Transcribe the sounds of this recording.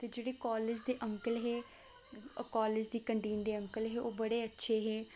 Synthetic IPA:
t̪eːd͡ʒeːɽeːkɔːlɪd͡ʒd̪eːʔəŋkəlɦeː | kaːlɪd͡ʒd̪iːkəɳʈeːnd̪eːəŋkəlɦeːʔoːbəɽeːətːʃʰeːɦeː

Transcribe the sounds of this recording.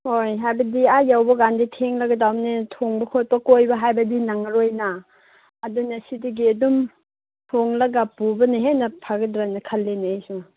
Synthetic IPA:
hojɦajbɐdiajawbɐɡanditʰeŋlɐɡɐdawmnetʰoŋbɐkʰot̚pɐkojbɐɦajbɐdinaŋɐɾojnaː | dunɐsidɐɡiɐdum | tʰoŋlɐɡapubɐneɦenɐpʰaɡɐdɾanɐkʰɐlːenejsu

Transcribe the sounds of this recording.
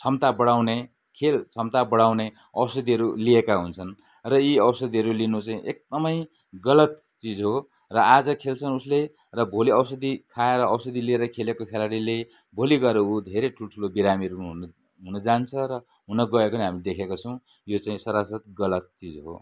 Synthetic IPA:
t͡sʰʌmt̪abʌɽawne | kʰelt͡sʰʌmt̪abʌɽawne | ʌwsʌd̪iɦʌɾuliekaɦunt͡sʰʌn | rʌiʌwsʌd̪iɦʌɾulinut͡saĩʔek̚d̪ʌmʌj | ɡʌlʌt̪ | t͡sid͡zɦo | rʌad͡zʌkʰelt͡sʰʌnusle | rʌbʱoliʌwsʌd̪ikʰaeɾʌːwsʌd̪ilieɾʌkʰelekokʰelaɽile | bʱoliɡʌɾeɦud̪ʱeɾeʈʰulʈʰulobiɾamiʌɾuɦ | ɦunʌd͡zant͡sʰʌɾʌ | ɦunʌɡʌekoneɦamid̪ekʰekat͡sʰʌ̃w̃ | jot͡saĩsʌɾasʌt̪ɡʌlʌt̪̚t͡sid͡zɦo̰

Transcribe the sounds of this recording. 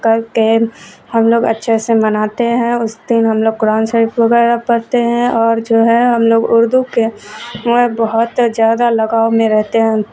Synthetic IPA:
kəɾkehəmloːɡə̰tːʃʰesemɐnaːt̪eɦɛ̃ʊsd̪ɪnɦɐmloːɡ̚kʊɾaːnsəɾipbəɡɛːɾapɐɾt̪eɦɛ̃ɔːɾd͡ʒoːɦɛ̃ɦɐmloːɡʊɾd̪uke | ɛbəɦʊt̪zjaːd̪alɐɡaːomẽɾɛɦt̪eɦɛ̃

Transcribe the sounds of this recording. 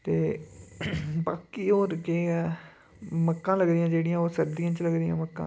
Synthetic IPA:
t̪eː | baːkiːoːɾkeː | məkːãːləɡd̪ɪjãːd͡ʒeːɽɪjãːoːsəɾd̪ijãːt͡ʃləɡd̪ɪjã̰ːməkːã̰ː

